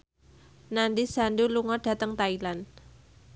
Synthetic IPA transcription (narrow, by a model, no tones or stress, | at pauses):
nandisanduluŋɔɖ̥ä̤t̪əŋt̪ailan